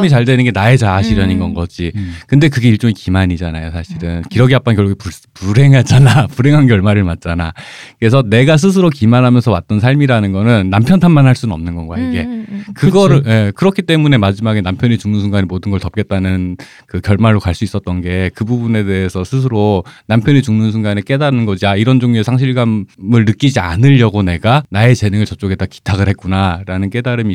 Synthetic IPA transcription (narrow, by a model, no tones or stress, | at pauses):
mit͡ɕaɭde̞nɯnɡe̞nae̞t͡ɕaaɕʰiɾjʌninɡʌnɡʌd͡ʑikɯnde̞kɯɡe̞iɭt͡ɕ͈oŋikimaɲid͡ʑanajosʰaɕʰiɾɯnkiɾʌɡiap͈ankjʌɭɡuɡepupuɾe̞ŋɦad͡ʑanapuɾe̞ŋɦankjʌɭmaɾɯɭmat̚t͡ɕ͈anakɯɾe̞sʰʌne̞ɡas̬ʰɯs̬ʰɯɾokimanɦamjʌnsʰʌwat̚t͈ʌnsʰaɭmiɾanɯnɡʌnɯnːampʰjʌntʰanmanɦaɭs͈unnʌ̰mnɯnɡʌnɡoaiɡe̞̰kɯɡʌɾɯje̞kɯɾʌkʰit͈e̞mune̞mad͡ʑimaɡe̞nampʰjʌnit͡ɕuŋnɯnsʰuŋɡanemodɯnɡʌɭtʌp̚k͈e̞t͈̚anɯn | kɯkjʌɭmaɭːokaɭs͈uis͈ʌt̚t͈ʌnɡe̞kɯbubune̞de̞ɦesʰʌsʰɯs̬ʰɯɾonampʰjʌnit͡ɕuŋnɯns̬ʰuŋɡanek͈e̞daɾɯnɡʌd͡ʑiaiɾʌnd͡ʑoŋiesʰaŋɕ̬ʰiɭɡammɯɭnɯk͈id͡ʑia̰nɯʎːʌɡone̞ɡanae̞t͡ɕe̞nɯŋɯɭt͡ɕʌp̚t͡ɕ͈oɡet͈aki̥tʰaɡɯɭɦe̞t̚k͈unaɾanɯnk͈e̞daɾɯmi